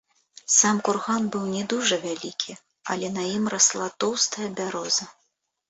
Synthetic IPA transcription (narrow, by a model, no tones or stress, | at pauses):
samkurɣanbɨwnʲɛd̪uʐɐvʲalʲikʲʰi | ɐ̰lʲɛnɐjimraslˠat̪ɔwst̪ɐjɐbʲaɾɔzɐ